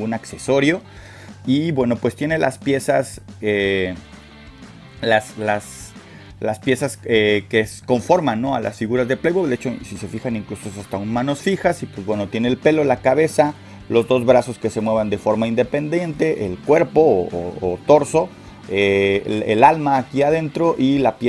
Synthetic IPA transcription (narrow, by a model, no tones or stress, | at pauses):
unakse̞so̞ɾjo̞ | ibwe̞no̞pwe̞st̪je̞ne̞la̰spje̞sase | laslas | laspje̞sasekesko̞ɱfo̞ɾmanːo̞a̰lʔa̰sfiɣuɾazðeplejβodeet͡ʃo̞sise̞fixaniŋkluso̞esast̪aunmano̞sfixasipwezβbwe̞no̞t̪je̞ne̞ːlpe̞lo̞lakaβe̞sa | lo̞zðo̞zβɾaso̞ske̞se̞mwe̞β̞and̪e̞fo̞ɾmaind̪e̞pe̞nd̪e̞nt̪e̞ʔelkwe̞ɾpo̞oːt̪o̞ɾso̞ | eḛlalmaːkiað̞e̞nt̪ɾo̞ʔilap